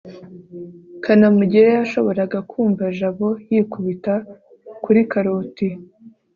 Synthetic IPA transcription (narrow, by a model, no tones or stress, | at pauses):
kanamuɟiɾejaʃo̞βo̞ɾaɡakʰuːmvaʒaβo̞jiːkuβita | kuɾikaɾoːti